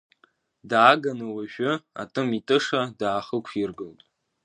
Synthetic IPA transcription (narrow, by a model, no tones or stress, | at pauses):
daːɡanɨwaʒᶣʊa̰tʼɨmitʼɨʂadaːχəkʷʰirɡɨltʼ